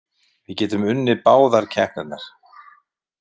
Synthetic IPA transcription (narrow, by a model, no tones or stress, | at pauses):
vɪðcɛːt̪ʏmʏnːɪpaːwðaɾ̥cʰɛhpnɛt̪naɾ̥